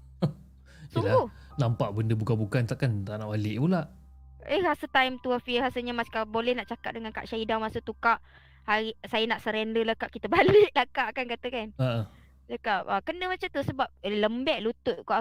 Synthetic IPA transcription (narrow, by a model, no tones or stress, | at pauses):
siuŋaɡuh | nampaʔbəndəbukabukant̪aʔkant̪aʔnaʔbalɪʔpulaʔ | əhɾasət̪ajmt̪uafihasəɲamaskabolɛhnaʔt͡ʃaka̰ʔ̚dəŋanka̰ʔʃaidaŋmasut̪ukaʔ | haɾisajənaʔsəɾɛndəlakaʔkit̪əbalɪʔlakaʔkankat̪əkanaʔə | d͡ʒakap̚əkənəmat͡ʃamt̪usəbap̚ləmbɛʔlut̪ʊʔ̪̚koʔ